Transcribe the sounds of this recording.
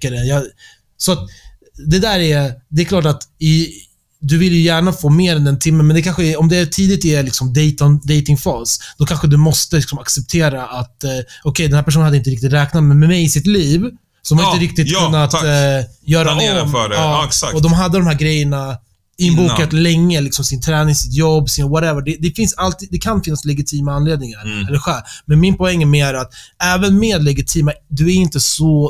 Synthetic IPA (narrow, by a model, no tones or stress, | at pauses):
adɛjɑ | sɔat̪ | d̪ɛd̪æːɾɛd̪ɛɛkʰlɑːʈ̬at̪ɪ | d̪ɵvɪljɵjæːɳafoːmeːɾɛnd̪ɛnt̪ʰɪmːənmɛnd̪ɛkʰanɧəæɔmd̪ɛæʈʰiːd̪ɪt̪ælɪksɔmd̪ɛjt̪and̪ɛjt̪ɪŋfɑːsd̪̥ɔkʰanɧəd̪ɵmɔst̪əlɪksɔmaksɛp̚t̪ʰeːɾaʔat̪ɔkʰɛjd̪ɛnhæːpæʂ̬unhad̪ːɪnt̪əɾɪkt̪ɪt̪ɾɛːknat̪mɛmɛmɛjɪsɪt̪liːv | sɔɔmhanɪt̪əɾɪk̚t̪ɪt̪kʰɵnːat̪ | jœːɾamːɑːaɔd̪ɔmɦad̪ːəd̪ɔmhɦæːɾɡɾɛjːəɳa | ɪnbuːkat̪lɛŋːəlɪksɔmsɪnt̪ʰɾɛːnɪŋsɪt̪jɔbːsɪnvaɾɛvəɖɛd̪ɛfɪnsalt̪iːd̪ɛkʰanfɪnːaslɛɡɪt̪ʰiːmaanleːd̪nɪŋaɾɛlːəɾɧɛlmɛnmɪnpɔɛŋːɛmeːæɾat̪ɛːvənmeːd̪lɛɡɪt̪ʰiːmad̪ɵæɾɪnt̪əsɔ